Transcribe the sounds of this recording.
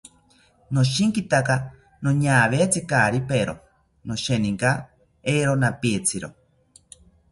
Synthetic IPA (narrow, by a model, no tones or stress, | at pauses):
noʃ̬iŋkit̪aka | noɲaːβet͡sikaɾipeɾo̰ | noʃeniŋka | eɾonapiet͡sʰiɾo